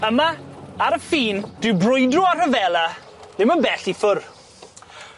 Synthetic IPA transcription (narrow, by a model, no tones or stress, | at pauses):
əmaaɾəfiːnd̥wɪbrʊjdrʊarəvɛlˠa | ðɪmənbɛɬifʊr